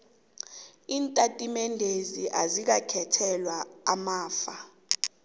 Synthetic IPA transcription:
iːntʼatʼimɛndʱeziʔazik̬akʰɛtʰɛlwaːmaːfa

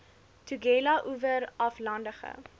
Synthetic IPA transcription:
tuɡɛlɐʔuvəɾɐflɐndəχə̰

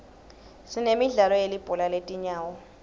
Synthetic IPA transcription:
sinemiɮalɔjelib̥ʼɔlaletʼiɲaːwɔ

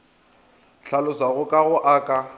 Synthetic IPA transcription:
ɬʰalʊsaɣʊkʼaɣʊʔaːkʼa

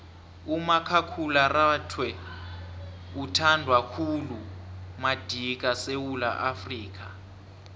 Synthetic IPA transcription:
umakʰakʰularatʰwɛ | utʰandʱwakʰulumad̥ʱik̬ʼasewula̰ʔafriːk̬a

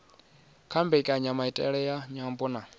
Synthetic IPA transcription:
kʰambɛikʼaɲamaitʼɛ̰ɺɛjaɲambuna

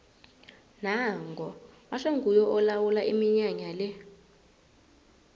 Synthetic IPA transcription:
naŋɡʱɔwaʂɔŋɡʱujɔʔɔlawulaʔimiɲaɲalɛ

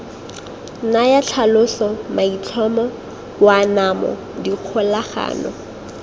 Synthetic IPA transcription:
najat͡ɬʰalʊɬɔmait͡ɬʰɔmɔ | wanamɔ̰ | diq͡χʰʊlaχa̰ːnɔ̰

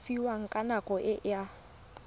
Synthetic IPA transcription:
fiwaŋ̩kʼanakʼɔʔɪʔja

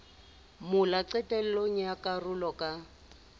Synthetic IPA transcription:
mʊlaǀɛtʼɛl̩loŋ̩jakʼarʊlɔkʼa

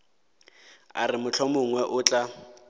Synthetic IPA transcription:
a̰rɪmʊt͡ɬʰɔmʊŋwɛʔʊt͡ɬʼa

